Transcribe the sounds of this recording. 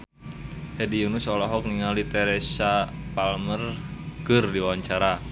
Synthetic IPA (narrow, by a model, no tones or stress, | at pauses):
hɛdiunusɔlɔɦɔk̚niŋalit̪ɛɾesapalmərkɨrdiwawaɲt͡ʃaɾa